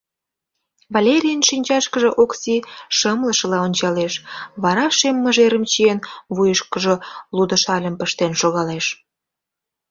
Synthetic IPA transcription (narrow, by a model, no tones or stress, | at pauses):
βɑlʲeɾʲijənʃinʲt͡ɕɑʃkəʒə̆ʔoksiʃəmləʃə̆lɑonʲt͡ɕɑleʃβɑɾɑʃemːəʒeɾəmt͡ɕienβujəʃkəʒelud̪ə̆ʃɑlʲəmpəʃt̪enʃoɣɑleʃ